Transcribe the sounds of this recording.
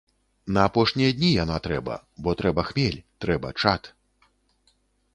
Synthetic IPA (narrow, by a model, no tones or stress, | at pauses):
nɐːpɔʂnʲijɐd̪ʲnʲijanat̪ɾɛbɐ̰ | bɔt̪ɾɛbɐxmʲɛlʲt̪ɾɛbɐ̰t͡ʂat̪